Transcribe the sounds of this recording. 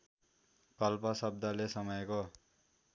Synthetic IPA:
kʌlpʌsʌb̚d̪alesʌmʌjko

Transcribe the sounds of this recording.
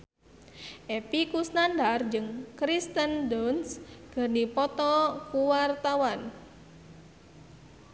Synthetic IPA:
ʔepikusnandard͡ʒɨŋkɾist̪əndɔnsɡ̥ərnipɔt̪ɔkuwart̪awan

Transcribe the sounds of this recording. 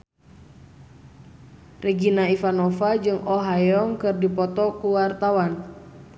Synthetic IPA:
rɛɡinaifanɔfad͡ʒɨŋɔɦajɔŋkɨrdipɔt̪ɔkuwart̪awan

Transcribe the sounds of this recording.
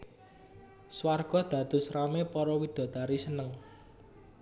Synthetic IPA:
swarɡ̥ɔ̤d̪̥a̤d̪̥ʊ̤sramepɔɾɔwid̪̥ɔ̤d̪aɾisənəŋ

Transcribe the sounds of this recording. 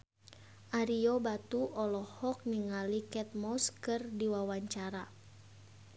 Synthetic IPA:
ʔaɾiobat̪uɔlɔhɔk̚niŋalikɛt̪̚mɔskɨrdiwawaɲt͡ʃaɾa

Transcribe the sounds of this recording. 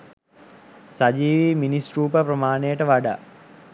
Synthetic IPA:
sad͡ʒiːʋiːminisɾuːpəpɾəmaːnejəʈəʋaɖa̰

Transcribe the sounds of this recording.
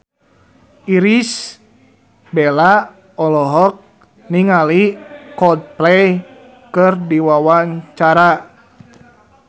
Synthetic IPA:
iɾis | bɛla | ɔlɔɦɔk̚ | niŋalikɔd̚plɛj | kɨrdiwawaɲt͡ʃaɾa

